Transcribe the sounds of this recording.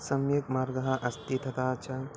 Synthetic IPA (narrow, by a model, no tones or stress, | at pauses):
sɐmjɐkmaːɾɡɐɦɐʔɐst̪it̪ʰɐt̪aːt͡ʃɐ